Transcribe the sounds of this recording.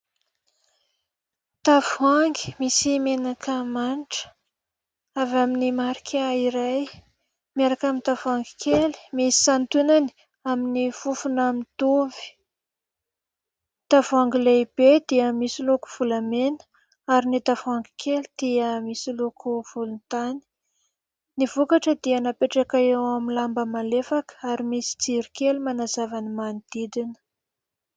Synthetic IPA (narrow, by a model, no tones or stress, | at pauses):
t̪afuaŋɡi̥misimenakʰəmaniʈ͡ʂə̥ | avaminimaɾikʰʲaiɾaj | miaɾakamint̪avaŋɡi̥kʰeli̥misi̥sant̪unani̥ | aminifufunamint̪uvi̥ | t̪avaŋɡileb̥ed̪̥iəmisiluku̥v̥ulamenə̥ | aɾinit̪avaŋɡi̥kʰelid̪̥iəmisilukʰuv̥ulunt̪ani̥ | nivukaʈ͡ʂəd̪iənapeʈ͡ʂakaewamilambəmalefakə̥aɾimisi̥d͡ziɾikelimanazavanimanid̪̥id̪inə̥